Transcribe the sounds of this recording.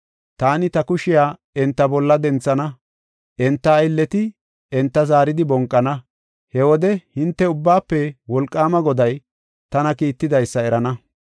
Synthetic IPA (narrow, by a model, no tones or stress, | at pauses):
t̪aːnɪt̪ɐkʊʃɪjaː | ɛnt̪ːɐbɔlːɐd̪ɛnt͡sːɐnɐ | ʔɛnt̪ːɐɪlːɛt̪ɪ | ɛnt̪ːɐzaːɾɪd̪ɪbɔŋkʼːɐnɐ | hɛwɔd̪ɛhɪnt̪ːɛʊbːaːpːɛwɔlkʼːaːmɐɡɔd̪ɐj | t̪ɐnɐkiːt̪ːɪd̪ɐjsːɐɛɾɐnɐ